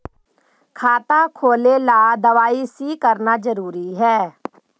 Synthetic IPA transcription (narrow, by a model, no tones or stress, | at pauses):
kʰaːt̪aːkʰoːleːlaːd̪əʋaːiːsiːkəɾnaːd͡ʒəɾuːɾiːɦɛː